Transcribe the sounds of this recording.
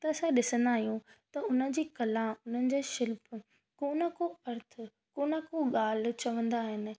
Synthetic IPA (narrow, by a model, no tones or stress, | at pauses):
t̪ɐsãɗɪsə̃nd̪aːɦijũt̪ɐʊn̤ə̆d͡ʑiːkɐlãʊn̤ənɪ̆d͡ʑeːʃɪlpʰ | koːnə̆koɐɾt̪ʰʊ | koːnəkoɠaːl̤̆t͡ɕɐʋə̃nd̪aːɦɪnɪ̆